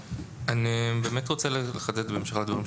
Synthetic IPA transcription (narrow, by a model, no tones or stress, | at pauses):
anibe̞ːmetʁo̞t͡selleχadet̪bemʃeχald̪vaʁimʃ